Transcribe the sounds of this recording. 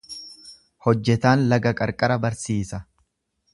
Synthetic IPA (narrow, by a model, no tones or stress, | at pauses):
hɔd͡ʒːɛt̪aːnlɐɡɐkʼɐɾkʼɐɾɐbɐɾsiːsɐ